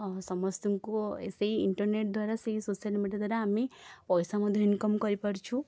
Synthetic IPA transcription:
sɔmɔst̪uŋkoḛseiiɳʈəɾneʈ̚d̪ʱʋaɾaseɦisoʃjəlimiɖjad̪ʋaɾaːmipɔjsamud̪ʱjeinkɔmkɔɾipəɽt͡ʃʰu

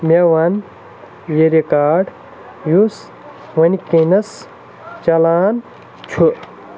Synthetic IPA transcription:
mʲewɐn | jeɾikaːɖ | jus | wɐnʲkenɐs | t͡ʃɐlaːn | t͡ʃʰu

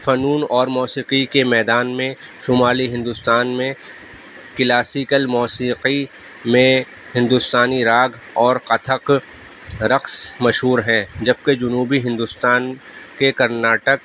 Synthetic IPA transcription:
fɐnuːnɔːɾmɔːsiːqikemɛːd̪aːnmẽ | ʃʊmaːliɦɪ̃nd̪ʊst̪aːnmẽ | kɪlaːsiːkəlmɔːsiːqi | mẽ | hɪ̃nd̪ʊst̪aːniɾaːɡ | ɔːɾqɐt̪ʰəq | ɾɐqsmɐʃɦuːɾɦɛ̃d͡ʒɐb̚ked͡ʒʊnuːbiɦɪ̃nd̪ʊst̪aːn | kekɐɾnaːʈək

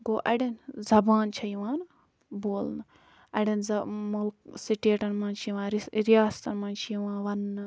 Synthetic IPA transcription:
ɡoːʔɐɽenzɐbaːnt͡ʃʰɐjiʋaːn | boːlnɨ | ɐɽenzɐmulksiʈeːʈɐnmaːnt͡ʃʰiʋãːnɾiɾijaːst̪ɐnmaːnt͡ʃʰijʋãːnʋɐnː

